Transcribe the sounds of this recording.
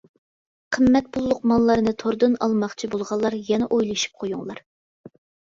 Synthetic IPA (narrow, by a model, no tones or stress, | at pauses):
qʰəmːɛt̪̚bulˠːʊq̚mɑnlˠɑɾnɨt̪ʰoɾd̪ɨnɑlˠmɑχt͡ʃʰibolˠʁɑlˠːɑɾjɛnɛʔojlˠɨʃi̥p̚qʰojuŋlˠɑɾ